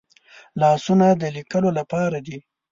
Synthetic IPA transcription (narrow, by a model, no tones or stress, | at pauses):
lɑsunad̪əlikəlolapɑɾad̪i